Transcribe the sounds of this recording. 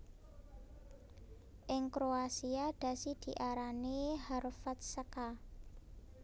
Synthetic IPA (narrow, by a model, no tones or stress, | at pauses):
ʔɪŋkɾoasiaɖ̪̥ä̤sid̪̥i̤ʔaɾaneharfat̪̚səka